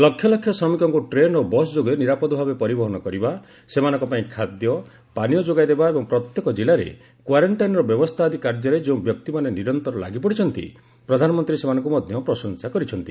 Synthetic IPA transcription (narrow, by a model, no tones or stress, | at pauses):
lɔkʰjɔlɔkʰːjɔsɔmikɔŋkuʈɾenobɔsd͡ʒoɡeniɾapɔd̪ɔbʱabepɔɾibɔɦɔñɔkɔɾiba | semanɔ̃ŋkɔpaĩkʰad̪jɔ | panijɔd͡ʒoɡajd̪ebaebɔŋpɾɔt̪jɔkɔd͡ʒilaɾḛ | kwaɾɔɳʈajnɔɾɔbjɔbɔst̪ʰad̪ʱikaɾd͡ʒɔɾed͡ʒeũbjɔk̚t̪imaneniɾɔnt̪ɔɾɔla̰ɡipɔɽit͡ʃʰɔnt̪ḭ | pɾɔd̪ʱanɔmɔnt̪ɾisemanɔ̃ŋkumɔd̪ʱjɔpɾɔsɔŋsakɔɾit͡ʃʰɔnt̪i̥